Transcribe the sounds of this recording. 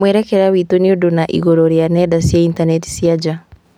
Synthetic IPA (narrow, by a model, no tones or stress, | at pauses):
wɛɾɛkɛɾawitoniodonaʔḭɣɔɾɔɾjanɛdasjaintanɛti̥siad͡ʒa